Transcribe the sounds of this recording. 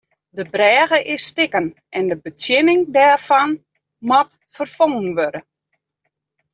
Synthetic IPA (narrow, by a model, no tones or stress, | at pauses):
dəbrɛːɣəʔɪsːtɪkən | ʔɛndəbət͡sjɪnɪŋdɛːrfɔn | matfərfoŋənʋødə